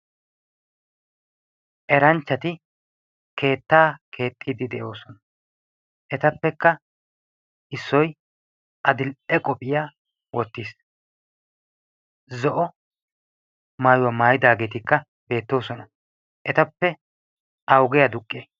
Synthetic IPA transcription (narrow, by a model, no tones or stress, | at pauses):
ʔɛɾɐnt͡ʃːɐt̪ɪ | ke̞ːt̪ːaːkʰe̞ːt̪ʼːiːd̪ɪd̪ɛʔo̞ːsɔnɐ | ʔɛt̪ɐpːɛkːɐ | ɪsːɔj | ʔɐd̪ɪlɛkʼɔpʼɪjaː | wɔt̪ːiːs | zɔʔɔ | maːjʊwɐmaːjɪd̪aːɡe̞t̪ɪkːɐ | b̥e̞ːt̪ːo̞ːsɔnɐ | ʔɛt̪ɐpːɛ | ʔɐwɡɛjɐd̪ʊkʼːeː